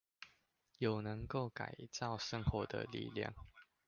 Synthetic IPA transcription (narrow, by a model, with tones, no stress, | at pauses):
jo˨˩ʊnə˧˦ŋko˥˨ʊka̰˨ɪt͡sɑ˥˨ʊʂə˥˧ŋxwɔ˧˦d̪ə̰˧˨lḭ˥˨lja̰˥˨ŋ